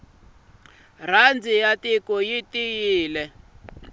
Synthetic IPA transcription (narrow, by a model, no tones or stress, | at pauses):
r̤and͡zijatikɔjitijiːlɛ